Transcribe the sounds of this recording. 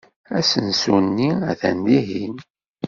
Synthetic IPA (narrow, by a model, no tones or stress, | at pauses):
æsənsunːiæ̰θæ̰nd̪iɦin